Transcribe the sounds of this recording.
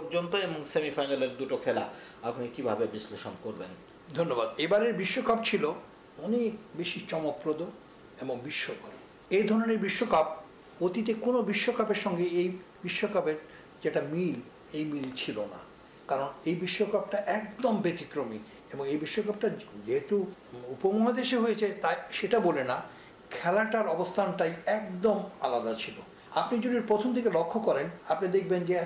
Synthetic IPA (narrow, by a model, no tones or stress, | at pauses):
oɾd͡ʑont̪oeboŋsemifajnaleɾd̪uʈokʰela̰ | aɡʱunikibʱabebisleʃonkoɾben | d̪ʱonːobad̪ebaɾeɾbiʃːokap̚t͡ɕʰilo | ɔnek̚beʃit͡ɕɔmopːɾod̪o | eboŋbiʃːokʰap | ejd̪ʱɔɾoneɾbiʃːokap̚ | ot̪it̪ekonobiʃːokapeɾʃɔŋɡeejbiʃːokapeɾ | d͡ʑeʈamil | ejmilt͡ɕʰilona̰ | kaɾonejbiʃːokap̚ʈaʔɛkd̪ombet̪ikɾomḭ | eboŋejbiʃːokap̚ʈad͡ʑeɦet̪uupomuɦad̪eʃeɦojet͡ɕʰet̪aʃeʈabolena | kʰɛlaʈaɾɔbost̪ʰanʈajɛkd̪omalad̪at͡ɕʰilo | apnid͡ʑod̪iɾpɾot̪ʰomt̪ʰekelokʰːokɔɾenapnid̪ek̚ʰbend͡ʑe